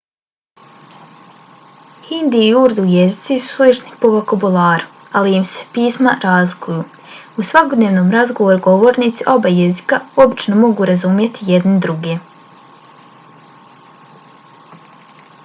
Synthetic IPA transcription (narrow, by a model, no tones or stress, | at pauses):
hind̪iːuɾd̪ujezit̪sisu̥slit͡ʃni̥po̞ʋokabulˠaːɾu̥ | alijimse̥piːsmaɾaːzlˠikujuː | usʋako̞d̪neːʋno̞ːmɾazɡo̞ʋoɾuɡo̞ʋo̞ːɾniːt̪siʔo̞baje̞zikao̞bit͡ʃno̞mo̞ɡuːɾazumje̞t̪ijed̪nid̪ɾuɡe